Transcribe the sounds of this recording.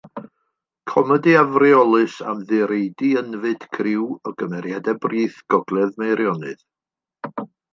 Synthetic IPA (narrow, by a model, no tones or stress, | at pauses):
kʰɔmɛdiavrɪɔlˠɨsa̰mðɨɾejdiənvɨd̥kʰrɪwɔɡəmɛɾjadɛbriːθɡ̥ɔɡlˠɛðmejɾjɔnɨð